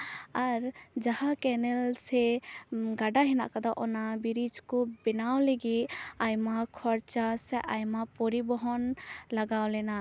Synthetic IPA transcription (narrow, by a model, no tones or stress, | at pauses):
aɾd͡ʒahakɛnɛlsɛ | ɡaɖaɦɛna̰ʔkad̪aʔɔnabiɾid͡ʒkɔbɛnawleɡiajmakʰɔɾt͡ʃasɛʔajmapɔɾibɔɦɔnlaɡawlɛna